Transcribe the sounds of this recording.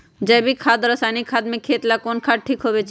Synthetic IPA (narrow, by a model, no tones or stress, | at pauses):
d͡ʒɐjbʱikʰaːd̪ɾəsaːjnikʰaːd̪̚mẽkʰeːt̪lakonkʰaɖ̚ʈʰiːkɦobet͡ʃʰ